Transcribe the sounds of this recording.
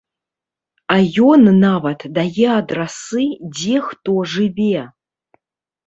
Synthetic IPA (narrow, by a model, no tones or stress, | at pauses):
ajɔnːavɐt̪d̪ajɛad̪rasɨd͡zʲɛxt̪oʐɨvʲe